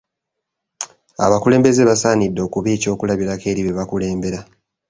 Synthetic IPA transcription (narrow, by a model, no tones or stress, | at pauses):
a̰βakule̞ːmbe̞zeβasaːnidːo̞kuβiːco̞ːkulaβiɾake̞ːɾiβeβakule̞ːmbe̞ɾa